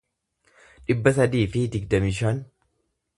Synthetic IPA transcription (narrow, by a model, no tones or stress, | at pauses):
ᶑɪbːɐs̬ɐd̪iːfɪd̪ɪɡd̪ɐmiʃɐːn